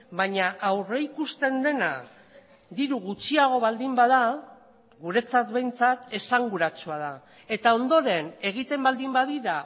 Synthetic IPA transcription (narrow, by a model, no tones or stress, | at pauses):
baɲaʔawre̞ikust̪e̞nd̪e̞na̰ | d̪iɾuɣut͡ʃiaɣ̞o̞βald̪imbaða | ɣuɾe̞t͡sat̪βe̞jnt͡sat̪e̞saŋɡuɾat͡suað̞a | e̞t̪ao̞nd̪o̞ɾe̞ne̞ɣ̞it̪e̞mbald̪imbaðiɾa